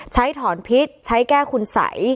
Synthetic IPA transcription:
t͡ɕʰa˦˥jt̪ʰɔː˩˦npʰi˦˥t̪̚t͡ɕʰa˦˥jkɛː˥˩kʰu˧nsa̰˨˩˦j

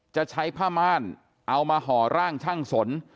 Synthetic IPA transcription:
t͡ɕa˨˩t͡ɕʰa˦˥jpʰaː˥˩maː˥˩n | ʔa˧wmaː˧ɦɔː˩˦ɾaː˥˩ŋt͡ɕʰaː˥˩ŋso˩˦n

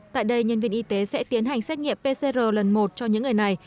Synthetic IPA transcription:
t̪a̰ː˧˨jɗə˧jɲə˧nvi˧ənʔi˧t̪e˨˦sɛ̰˧˥t̪i˨˦ənɦa˨˩jŋ̟sɛ˦˥t̚ŋḭ˧˨əmpe˧se˧zəː˨˩lə˨˩nmo˨˩t̚t͡ɕɔ˧ɲɨ̰˧˥ŋː˨˩əjna˨˩j

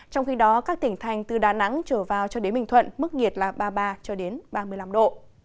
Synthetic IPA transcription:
t͡ɕɔ˧wŋ͡mxi˧ɗɔ˨˦kaː˦˥k̚t̪ï˧˩ŋ̟t̪ʰa˨˩jŋ̟t̪ɨ˨˩ɗaː˨˩na̰˧˥ŋt͡ɕəː˧˩vaː˨˩wt͡ɕɔ˧ɗe˨˦nmï˨˩ŋ̟t̪ʰwə̰˧˨nmɨ˦˥k̚ŋi˨˩ət̚laː˨˩ɓaː˧ɓaː˧t͡ɕɔ˧ɗe˨˦nɓaː˧mɨ˧əjla˧mɗo̰˧˨

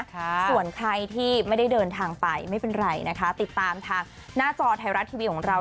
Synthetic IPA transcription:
su˨˩ənkʰa˧jt̪ʰiː˥˩ma˥˩jda˥˩jdɤː˧nt̪ʰaː˧ŋpa˧jma˥˩jpe˧nɾa˧jna˦˥kʰa˦˥t̪i˨˩t̪ːaː˧mt̪ʰaː˧ŋ | naː˥˩t͡ɕɔː˧t̪ʰa˧jɾa˦˥t̪ʰːiː˧wi˦t̪̚ʰɔ˩˦ŋɾa˧w

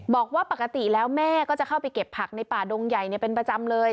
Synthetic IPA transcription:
bɔː˨˩k̚waː˥˩pa˨˩ka˧t̪i˨˩lɛː˦˥wmɛː˥˩˨kɔː˥˩t͡ɕa˨˩kʰa˥˩wpa˧jke˨˩pʰːa˨˩k̚na˧jpaː˨˩doː˧ŋja˨˩jni˥˩ɐpe˧npɾa˧t͡ɕa˧mlɤː˧j

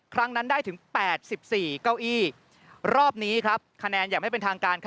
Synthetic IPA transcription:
kʰɾa˦˥ŋna˦˥ndaː˥˩jt̪ʰɯ˩˦ŋpɛː˨˩t̪̚si˨˩p̚siː˨˩ka˥˩wʔiː˥˩ | ɾɔː˥˩p̚niː˦˥kʰɾa˦˥p̚kʰa˧nɛː˧njaː˨˩kma˥˩pe˧nt̪ʰaː˧ŋkaː˧nkʰ

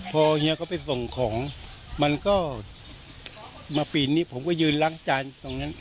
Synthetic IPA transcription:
pʰɔː˧hi˧˥˧kʰɔː˥˩pa˧jso˨˩ŋkʰɔː˩˦ŋ | ma˧nkɔː˥˩ | maː˧piː˨˩nniː˥˩pʰo˩˦mkɔː˥˩jɯː˧nla˦˥˩ŋt͡ɕaː˧nt̪o˧ŋna˦˥n

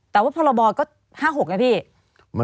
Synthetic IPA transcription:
t̪ɛ˨˩waː˥˩pʰɔː˧lɔ˧bɔː˧kɔː˥˩ | haː˥˩ɦo˨˩k̚na˦˥pʰiː˥˩ | m˧

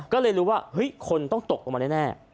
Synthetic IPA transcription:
kɔː˥˩lɤː˧jɾuː˦waː˥˩hɯ˦˥jkʰo˧nt̪ɔ˥˩ŋt̪o˨˩k̚ʔɔ˧˩maː˧ɛ˥˩nɛː˥˩

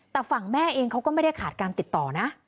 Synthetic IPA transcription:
t̪ɛː˨˩fa˨˩ŋmɛː˥˩ʔeː˧ŋkʰa˦˥wkɔ˥˩ma˥˩jda˥˩jkʰaː˨˩t̪̚kaː˧nt̪i˨˩t̪ːɔː˨˩na˦˥ʔ

